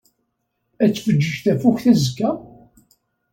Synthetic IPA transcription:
æt͡sːfəd͡ʒːəʒθæfuçθæzəkːæ

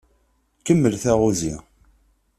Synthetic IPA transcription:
kəmːəlθæʁuzi

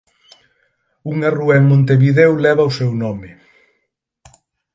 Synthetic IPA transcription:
uŋaruɛŋmõnt̪eβiðewlɛβawsɛwnɔme

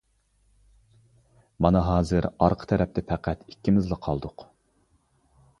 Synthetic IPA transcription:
mɑnɑɦɑːzɨɾɑɾqʰə̥t̪ʰɛɾɛp̚t̪ʰɪpʰæqʰæt̪ikʲːimɪzlˠɨqʰɑlˠd̪ʊq

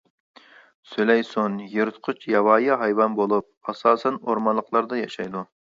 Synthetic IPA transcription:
sylɛjsonjeɾɨt̪qʰʊt͡ʃʰjɑwɑːjɑɦɑjwɑnbolˠup̚ɑsɑːsɛnoɾmɑnlˠəqlˠɑɾd̪ɑjɑʃɑjd̪u

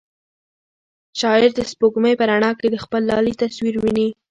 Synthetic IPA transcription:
ʃɑɪɾd̪əspoɡməjpəɾaɳɑked̪əxpəlːɑlit̪aswiɾwini

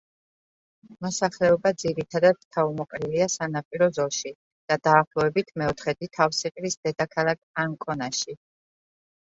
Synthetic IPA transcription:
mɔsaχlɛɔbad̪ziɾit̪ʰad̪ad̪̥̚t̪ʰaumɔqʼɾiliasanapʼiɾɔzɔʃi | d̪̥ad̪aːχlˠɔɛbit̪ʰmɛɔt̪ʰχɛd̪it̪ʰafsiqʼɾisd̪ɛd̪akʰalˠak̚ʰaŋkʼɔnaʃi

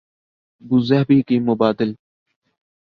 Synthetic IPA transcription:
bʊzɐɦbikimʊbaːd̪ɪl

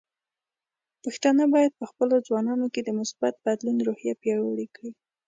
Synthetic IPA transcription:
pəxt̪anabɑjad̪̚pəxpəlozwɑnɑnoked̪əmʊsbat̪̚bad̪linɾohjapjɑɻaɽikɽi

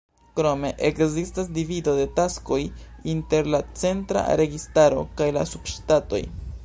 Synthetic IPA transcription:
kɾo̞me̞ʔekzistasdivido̞de̞tasko̞jinte̞ɾlat͡se̞ntɾa̰ɾe̞ɡistaɾo̞̰kajla̰subʃtato̞̰j

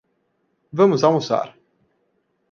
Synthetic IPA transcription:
vəmuzausa̰r

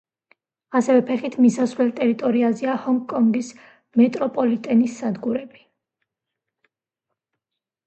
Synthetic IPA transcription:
asɛvɛpʰɛχit̪ʰmisasvlɛlt̪ʼɛɾit̪ʼɔɾiazɛahɔŋɡkʼɔŋɡis | mɛt̪ʼɾɔpʼɔlit̪ʼɛnisːad̪ɡuɾɛbi

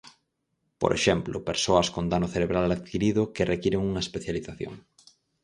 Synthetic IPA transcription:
po̰ɾʔḛʃɛmplopeɾsoɐskond̪anʊθeɾeβɾalaðkiɾiðʊkerekiɾeŋuŋɐespeθjaliθaθjo̰ŋ

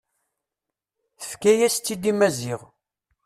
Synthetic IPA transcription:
θəfkæjæst̪ːid̪imæzɪʁ

